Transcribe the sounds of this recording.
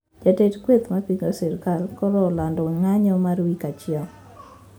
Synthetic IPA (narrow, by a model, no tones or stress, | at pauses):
d͡ʒatetkwet̪mapiŋɡosɪɾkalkɔɾɔlandɔŋaɲɔmaɾwikat͡ʃɪɔ